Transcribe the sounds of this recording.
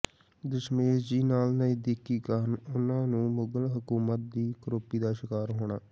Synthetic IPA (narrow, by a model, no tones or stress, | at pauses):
d̪əʃmeːd͡ʒiːnaːlnəĩːd̪ɪkːiːkənʊnãːnũːmʊɡəlɦəkuːmət̪̚d̪iːkɾoːpiːd̪aːʃɪkaːɾɦoːɽ̃aː